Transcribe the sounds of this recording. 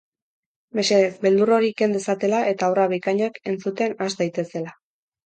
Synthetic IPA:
me̞se̞ðesbe̞ld̪uro̞ɾike̞nd̪esat̪e̞laʔe̞t̪aoraβikaɲoeke̞nt͡sut̪e̞nazd̪ajt̪e̞se̞la

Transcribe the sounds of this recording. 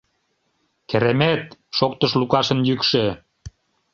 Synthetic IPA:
keɾemet̪ʃok̚t̪əʃlukɑʃə̆njykʃø

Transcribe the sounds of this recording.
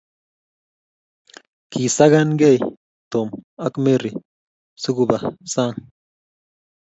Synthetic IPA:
kʰisaɣanɡej | t̪omakmiɾi | suɡubasan

